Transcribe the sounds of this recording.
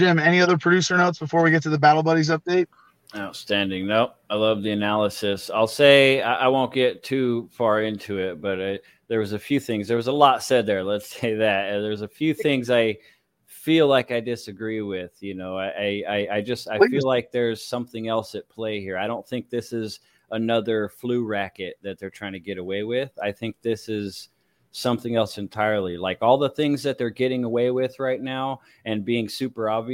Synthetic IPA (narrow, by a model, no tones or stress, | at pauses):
ʒ̥ɪ̃mɛñiʌðə˞pʰɹ̥ɨdʉsə˞noʊtsb̥əfɔɹwiɡɛtʰɨðəbæɾl̩ˠbʌɾizʌp̚d̥eɪt̚ | aʊtstæ̃ndɪ̃ŋnoʊ | aɪlʌvðiɨnælˠəsɨsaɪlˠseɪaʔaɪwõʊ̃nɡ̥ɛtʰʉfɑɹɪ̃ntʰʉɪt̚b̥ʌɾa | ðə˞wʌzɨfjʉθɪ̃ŋzðə˞wʌzəlɔtsɛd̪̚ðə˞lətseɪðæt̚ɨ̃nðə˞zɨfjʉθɪ̃ŋzaɪ | filaɪkaɪdɪsɨɡɹiwɪð̥jɨnoʊaɪʔaɪaɪaɪd͡ʒʌstaɪfilaɪk̚ðə˞z̥sʌ̃mθɪ̃ŋɛlˠsɨt̚pʰl̥eɪhiɹaɪɾõʊ̃nθɪ̃ŋk̚ðɪsɪz | ʔənʌðə˞flʉɹækɨt̪̚ðɨt̪̚ðə˞tʰɹ̥aɪɪ̃ŋtʰɨɡɛɾəweɪwɪð̥aɪθɪ̃ŋk̚ðɪsɪz̥ | sʌ̃mθɪ̃ŋɛlˠsɨ̃ntʰaɪə˞lˠilaɪkɔlˠðəθɪ̃ŋzðɨt̪̚ðə˞ɡɛɾɪ̃ŋəweɪwɪð̥ɹaɪtⁿnaʊ | ɨ̃nbiɪ̃ŋsʉpə˞ɑbvi